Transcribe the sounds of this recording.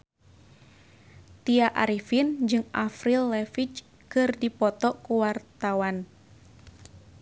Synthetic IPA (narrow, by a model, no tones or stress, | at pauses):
t̪iaʔaɾifind͡ʒɨŋʔafɾilːɛfit͡ʃ | kɨrdipɔt̪ɔkuwart̪awan